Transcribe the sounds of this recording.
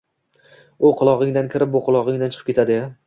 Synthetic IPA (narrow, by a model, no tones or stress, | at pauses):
ʊqʰʊlˠɒʁɪŋd̪ankʲʰɪɾɪp̚boqʰʊlˠɒʁɪŋd̪ant͡ʃʰɨ̥qʰɨ̥kʲe̞t̪ʰad̪ɪ